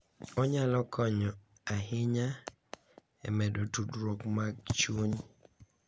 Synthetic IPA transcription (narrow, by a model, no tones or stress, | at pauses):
ɔɲalɔkʰɔɲɔ | aɦɪɲa | ɛ̰mɛdotudɾokmaɡ̚t͡ʃuɲ